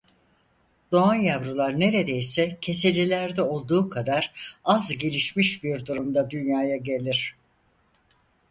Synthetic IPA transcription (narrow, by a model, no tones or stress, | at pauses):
d̪̥o̞anjavɾulˠaɾne̞ɾe̞d̪e̞jsɛcʰe̞se̞lʲilʲæɾd̪ɛo̞lˠd̪uːkʰad̪aɾazɟe̞lʲiʃmiʃbiɾd̪uɾumd̪ad̪ynjaːjaɟe̞lʲiɾ̥